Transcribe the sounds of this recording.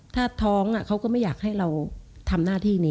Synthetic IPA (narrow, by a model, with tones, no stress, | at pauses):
t̪ʰaː˥˩t̪ʰɔː˦˥ŋʔa˨˩kʰa˦˥wkɔː˥˩ma˥˩jaː˨˩k̚ha˥˩jɾa˧wt̪ʰa˧mnaː˥˩t̪ʰiː˥˩niː˦˥